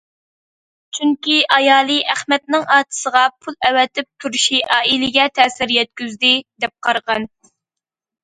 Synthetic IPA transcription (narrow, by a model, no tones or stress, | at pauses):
t͡ʃʰyŋkʲiʔɑjɑːlˠɨʔæχmɛt̪̚nɪŋɑːt̪ʰɨ̥səʁɑpʰulˠɛwɛt̪ʰɪp̚t̪ʰuɾʃiʔɑːilɪɡʲɛt̪ʰɛːsɪɾjɛt̪̚kʲyzd̪ɪd̪ɛp̚qʰɑɾʁɑn